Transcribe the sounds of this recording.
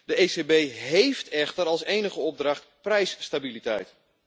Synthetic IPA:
d̥əesebejɦejftɛχtəɾɑlˠsejnəχəɔb̚drɑχtprɛjsːtabilitɛjt

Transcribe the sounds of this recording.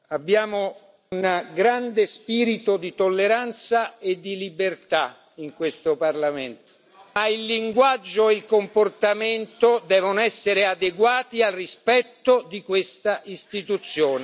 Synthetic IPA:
abːjaːmo | unɡɾand̪espiːɾit̪od̪it̪olːeɾant̪saed̪ːilibert̪a | iŋkwest̪oparlament̪o̥ | mailːiŋɡwad͡ʒːoeilkomport̪ament̪od̪ɛːvonoɛsːeɾead̪eɡwaːt̪ialrispɛt̪ːod̪ikwest̪aʔist̪it̪ut̪sːjoːne

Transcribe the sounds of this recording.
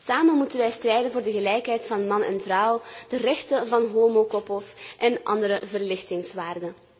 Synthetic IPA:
saːmənmutənʋɛjstrɛjdənvoːrdəɣəlɛjkɦɛjtfɑnmɑnɛ̰nvrʌwd̥ərɛxtəvɑnɦoːmoːkɔpəlˠsʔɛnʔɑ̰ndəɾəvərlɪxtɪŋsʋaːrdən

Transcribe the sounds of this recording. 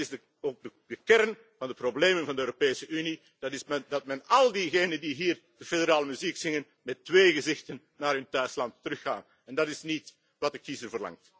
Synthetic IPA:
ɪsdə | oːɡ̚dədəkɛrn | vɑndəprobleːmənvɑndəøːɾopeːsəʔyni | d̥ɑtɪsmɛdɑt̚mɛnɑlˠdiɣeːnəndiɦiːr | d̥əfedəɾaːləmyziksɪŋən | mɛtːʋeːɣəzɪxtənːaːɾɵntœɥslɑntːərɵxaːn | ɛndɑtɪsnit | ʋɑt̚əkizərvərlɑ̰ŋt

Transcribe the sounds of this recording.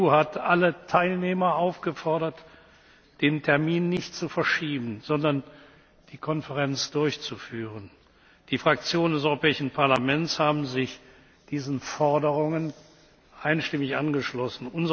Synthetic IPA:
uːhatʔalətʰaɪlneːmɐʔaʊfɡ̥əfɔɐɾɐt | d̥eːntʰɛɐmiːnːɪçtt͡sufɛɐʃiːbn̩zɔndɐn | d̥iːkʰɔnfəʁɛnt͡sd̥ʊɐçt͡sufyːʁən | d̥iːfʁ̥ak̚t͡sjoːnəndɛsʔɔʏʁopʰɛːɪʃn̩pʰaɐlamɛntshaːbm̩zɪç | d̥iːzn̩fɔɐdəʁ̞ʊŋən | ʔaɪnʃtɪmɪçʔanɡəʃlɔsn̩ʔʊnzə

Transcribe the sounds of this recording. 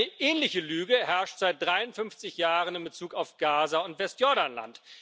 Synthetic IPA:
əʔɛːnlɪçəlyːɡəhɛɐʃtz̥aɪt̚d̥ʁaɪʊntfʏnft͡sɪçjaːʁənɪmbət͡suːkaʊfɡ̥aːzaʊntv̥ɛstjɔɐɾanla̰nt

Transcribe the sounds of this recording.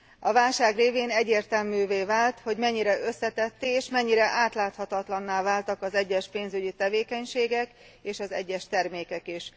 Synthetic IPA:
ɒvaːlʃaːɡreːveːnɛɟːeːrt̪ɛlmyːveːvaːlt̪ho̞ɟmɛɲːiɾɛʔø̞sːɛt̪ɛt̪ːeːʃmɛɲːiɾɛʔaːt̪laːt̪hɒt̪ɒt̪lɒnːaːvaːlt̪ɒkɒzɛɟːɛʃpeːnzyɟit̪ɛveːkɛɲʃeːɡɛk | eːʃɒzɛ̰ɟːɛʃt̪ɛrmeːkɛkiʃ

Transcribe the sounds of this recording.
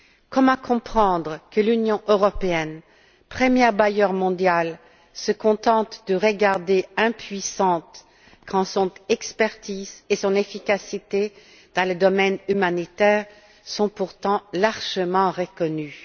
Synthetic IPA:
kɔmãkɔ̃pχɑ̃d̪ʁəkəlynjɔ̃ʔøʁɔpeɛn | pχəmjɛʁbajœʁmɔ̃d̪jal | səkɔ̃t̪ɑ̃t̪d̪əʁəɡaʁd̪eɛ̃pɥisɑ̃t̪ | kʰɑ̃sɔ̃t̪ɛkspɛʁt̪izesɔ̃nefikasit̪e | d̪̥ɑ̃ləd̪ɔmɛnymanit̪ɛːʁ | sɔ̃puʁt̪ɑ̃laʁʒəmɑ̃ʁəkɔny

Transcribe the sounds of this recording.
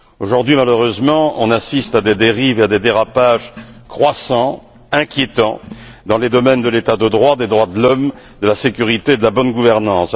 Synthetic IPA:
oʒuʁd̪ɥimaløʁøzmɑ̃ɔ̃nasist̪ad̪ed̪eʁivad̪ed̪eʁapaʒkχwasɑ̃ | ɛ̃kʲjet̪ɑ̃d̪ɑ̃led̪ɔmɛnd̪əlet̪ad̪əd̪ʁwad̪ed̪ʁwad̪əlɔm | d̪əlasekʲyʁit̪eːd̪əlabɔnɡuvɛʁnɑ̃s

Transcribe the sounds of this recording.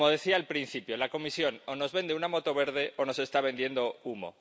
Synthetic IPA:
mo̞ð̞e̞θiaelpɾin̟θipjo̞lako̞misjo̞nono̞zβe̞nd̪eunamo̞t̪o̞β̞eɾð̞e̞ʔono̞se̞st̪aβ̞e̞nd̪je̞nd̪oumo̰

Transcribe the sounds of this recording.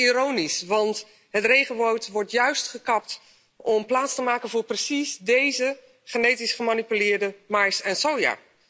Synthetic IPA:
iɾownisʋɑnt | ɦətrejχənʋowtʋɔɹtjœɥstχəkɑp̚t | ʔɔmplaːtstəmaːkənvʊːɹprəsizdejzə | χənejtisχəmanipylɪːɹdəmajsɛnsowja̰ː

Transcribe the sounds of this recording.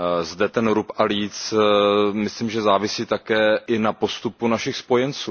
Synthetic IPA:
zdɛt̪ɛnɾupʔaliːt͡s | mɪslimʒɛzaːvɪsiːt̪akɛːʔɪnapo̞st̪upunaʃɪxspo̞jɛnt͡suː

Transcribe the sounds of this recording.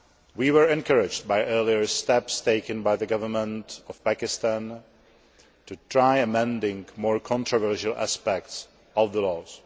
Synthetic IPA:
wiwə˞ɛ̃nkʰəɹɪd͡ʒd̚bajʔɜ˞liəɹstɛpsteɪkə̃nbajðəɡʌvəmə̃ntɔv̥pækɪstãn | tutɹajəmɛ̃ndɪ̃ŋmɔɹkʰɔ̃ntɹɔvɜ˞ʃəlˠæ̰spɛk̚ts | ʔɔvðəlɔːs

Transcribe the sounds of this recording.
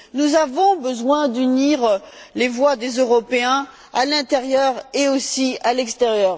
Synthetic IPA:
nuzavɔ̃bəzwɛ̃d̪yniʁ | levwad̪ezøʁɔpeɛ̃ | alɛ̃t̪eʁjœʁeosialɛkst̪eʁjœːʁ

